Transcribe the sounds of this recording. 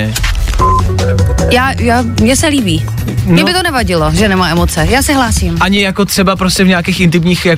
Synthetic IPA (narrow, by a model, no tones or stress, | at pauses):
ɛ | jaːjaːmɲɛsɛliːbiː | ɲɛbɪt̪onɛvaɟɪloʒɛnɛmaːɛmot͡sɛjaːsɛɦlaːsiːmʔaɲɪjakot̪r̝̥ɛbapɾoscɛvɲaːkiːxʔɪnt̪ɪmɲiːxja